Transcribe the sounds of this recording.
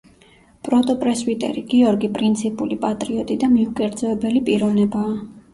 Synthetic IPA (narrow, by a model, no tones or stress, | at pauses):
pʼɾɔt̪ʼɔpʼɾɛswit̪ʼɛ̰ɾiɡiɔɾɡipʼɾint̪sʰipʼulipʼat̪ʼɾiɔt̪ʼid̪amiukʼɛɾd̪zɔɛbɛlipʼiɾɔvnɛbaː